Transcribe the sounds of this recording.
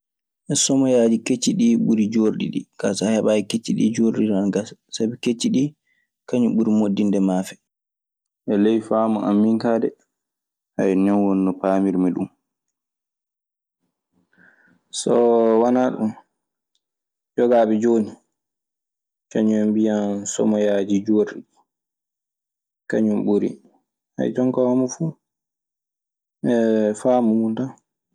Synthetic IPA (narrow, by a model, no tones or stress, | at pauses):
ʔɛsɔmɔjaːd͡ʒiket͡ʃːiɗiɓuɾid͡ʒoɾɗḭɗḭkasahaɓajɛket͡ʃːiɗḭd͡ʒoɾɗiɾanɡassabiket͡ʃːiɗi | kaɲuɓuɾimodːindɛmaːfɛ | ʔɛlejfaːmaʔamːiŋkaːdɛ | ha̰jnɛnwɔnːɔpaːmiɾmiɗum | sɔwanaɗṵm | d͡ʒɔɡaːɓɛd͡ʒoːni | t͡ʃaɲɔmbijansɔ̰majad͡ʒid͡ʒoɾi | kaɲumɓuɾḭ | ha̰jtɔŋkɔhɔmɔfu | ɛfaːmumunta